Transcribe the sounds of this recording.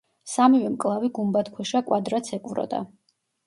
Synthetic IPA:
samivɛmkʼlˠaviɡumbat̪kʰwɛʃakʼwad̪ɾat̪sʰɛqʼvɾɔ̰d̪a̰

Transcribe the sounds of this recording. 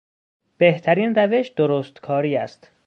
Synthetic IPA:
b̥eht̪ʰæɾiːnræve̞ʃd̪̥oɾoːst̪kʰɒːɾiːæ̰st̪

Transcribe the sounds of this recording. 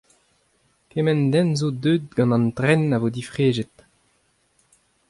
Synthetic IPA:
kemɛndɛnzod̪øːd̪̚ɡɑ̃nɑ̃nt̪ʁɛnavod̪ifʁeːʒet̪

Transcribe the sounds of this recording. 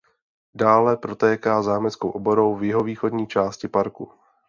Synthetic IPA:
daːlɛpɾo̞t̪ɛːkaːzaːmɛt͡skowʔobo̞ɾowvjɪɦo̞viːxo̞dɲiːt͡ʃaːscɪpaɾku

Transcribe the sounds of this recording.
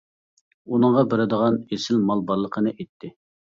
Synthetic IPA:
unɨŋʁɑbeɾɪd̪əʁɑnesɪlmɑlˠbɑlˠːəqʰənɨʔet̪ʰːɪ

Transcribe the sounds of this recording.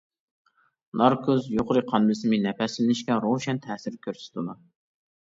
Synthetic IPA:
nɑɾkʰozjoqʊɾɨqʰɑnbɨsɨmɪnɛpɛslɪnɪʃkʲɛɾoʃɛnt̪ʰɛːsɪɾkʲʰøɾsɪ̥t̪ʰud̪u

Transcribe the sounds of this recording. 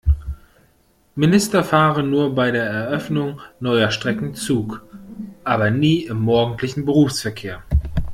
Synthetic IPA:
mɪnɪstɐfaːʁənːuːɐbaɪdeːɐɛɐʔœfnʊŋnɔʏɐʃtʁ̥ɛkŋ̩t͡suːkʔaːbɐniːɪmːɔɐɡŋ̩tʰlɪçn̩bəʁuːfsfɛɐkʰeːɐ

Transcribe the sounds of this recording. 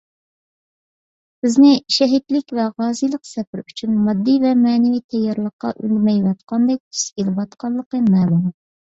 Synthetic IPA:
bɪznɪʃɛɦit̪lɪkʲvɛʁɑːzijlˠəqsɛpɪɾyt͡ʃʰynmɑd̪ːivɛmɛːnɪvijt̪ʰɛjːɑɾlˠəqːɑ̰ʔy̰lmɛjwɛt̪qʰɑnd̪ɛk̚ʲt̪ʰy̥skʲelɪpɑt̪qʰɑnlˠːəqəmɛːlum

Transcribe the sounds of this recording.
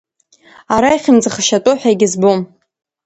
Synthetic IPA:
aɾajχʲɪnd͡zɨχəʃatʼoħʷᶣaiɡʲɪzbom

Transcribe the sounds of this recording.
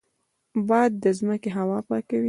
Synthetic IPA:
bɑjad̪ːəzməkeɦawɑpɑkawi

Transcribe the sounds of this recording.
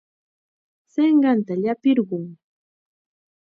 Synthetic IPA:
seɴɢɑnt̪aʎapɪɾɢʊŋ

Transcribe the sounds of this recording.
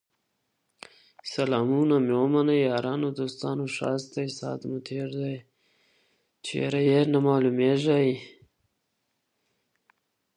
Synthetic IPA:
sɐlɑːmunamjoːmanajjɑːɾɑːnod̪oːst̪ɑːnoʂɑ̰ːst̪ajsɑ̰ːt̪mut̪ʰeːɾd̪aj | t͡ʃʰḛɾajeɾnamaːlumeʒai

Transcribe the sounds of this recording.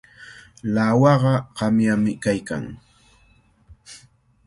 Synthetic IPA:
lawɑɢɑɢɑmjamɪkajka̰ŋ

